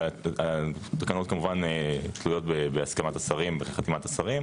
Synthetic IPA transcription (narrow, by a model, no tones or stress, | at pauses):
at̪ḁkanut̚kamuvant̪lujo̞t̚bebeaskamat̪asaʁimbeχeχat̪imat̪asaʁim